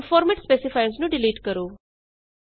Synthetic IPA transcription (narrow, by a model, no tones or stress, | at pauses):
fɔːɾməʈspeːsɪfaɪnsnũɖɪliːʈkəɾoː